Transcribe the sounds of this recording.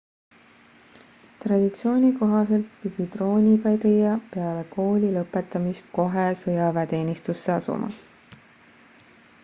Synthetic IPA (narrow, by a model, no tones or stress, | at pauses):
t̪rɑd̪̥it̪sio̞ːnʲiko̞ɦɑse̞lt̪̚pid̪̥ʲit̪ro̞ːnʲikɑjk̪ejːɑpe̞ɑle̞ko̞ːlʲilɤpːˑe̞t̪ːˑɑmist̪̚ko̞ɦesɤjɑvet̪e̞ːnʲist̪usːe̞ɑsṵmɑ̰